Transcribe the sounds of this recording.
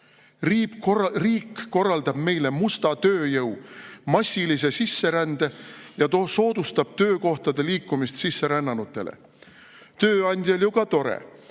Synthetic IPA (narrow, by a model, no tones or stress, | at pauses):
rriːkːo̞rːɑld̪̥ɑb̥me̞jle̞must̪ɑt̪ø̞ːjɤwmɑsʲːilise̞sisːe̞ɾænd̪̥e̞jɑt̪so̞ːd̪̥ust̪ɑb̥̚t̪ø̞ːko̞ht̪ɑd̪̥e̞liːkːˑumist̪sisːe̞ɾænːɑnut̪ːˑe̞̰lḛ | t̪øːɑnʲd̪̥ʲjɑljukɑt̪o̞ɾḛ